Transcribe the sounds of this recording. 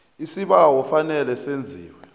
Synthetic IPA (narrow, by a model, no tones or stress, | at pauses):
isiɓawɔfanɛlɛsend͡zʱiːwɛ